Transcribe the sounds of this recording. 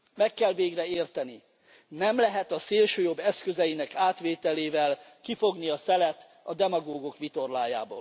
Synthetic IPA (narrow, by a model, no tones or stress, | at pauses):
mɛkːɛlveːɡrɛeːrt̪ɛni | nɛmlɛɦɛt̪ɒseːlʃøːjo̞bːɛskøzɛjinɛkaːt̪ʋeːt̪ɛleːvɛlkifo̞ɡniɒsɛlɛt̪ | ɒd̪ɛmɒɡoːɡokʋit̪o̞rlaːja̰ːbo̰ːl